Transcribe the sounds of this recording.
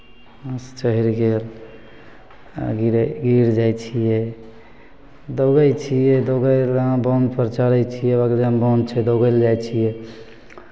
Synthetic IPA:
əst͡ʃəɦiɾɡel | ɡiɾɡiɾd͡ʒajt͡ʃʰijɛ | d̪oɡəjt͡ʃʰijɛd̪oɡəlãbɔnd͡ʒ̪pəɾt͡ʃaɾɛt͡ʃʰijɛbakɾd͡ʒãbɔ̃nd͡ʒ̪t͡ʃʰɛd̪oɡəld͡ʒajt͡ʃʰijɛ

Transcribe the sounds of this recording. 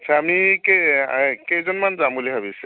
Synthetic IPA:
atsʰaːmikekejzɔnmanzambuliɦabis

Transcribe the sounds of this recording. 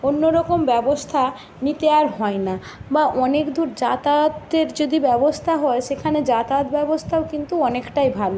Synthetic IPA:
onːoɾɔkombɛbost̪ʰa | nit̪eaɾɦɔena | baʔɔnekd̪ʱuɾd͡ʑat̪at̪eɾd͡ʑod̪ibɛbost̪ʰaɦɔeʃekʰaned͡ʑat̪at̪bɛbost̪ʰaokint̪uɔnekʈajbʱalo

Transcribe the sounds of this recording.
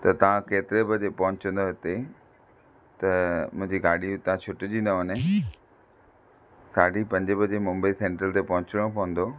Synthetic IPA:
t̪ɐt̪ɐʋãkeːt̪ɪɾebɐd͡ʑepɐɦʊ̃ɲt͡ɕə̃n̆d̪oɦɪt̪e | t̪ɐmʊ̃ɦɪ̃ɲd͡ʑiɡaːɽit̪ɐãt͡ɕʰʊʈd͡ʑĩːnd̪oɦəne | saːɖipɐ̃ɲd͡ʑɪbɐd͡ʑemʊ̃mbəisẽːɳʈɾəlt̪epɐɦʊ̃t͡ɕɪɽ̃õpɐʊ̃n̆d̪oː

